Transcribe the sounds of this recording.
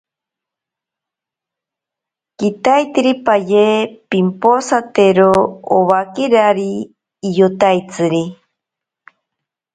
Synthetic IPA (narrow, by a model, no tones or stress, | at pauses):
kit̪ajt̪iɾipajepimposat̪eɾooβakiɾaɾiː | jot̪ajt͡sɨɾi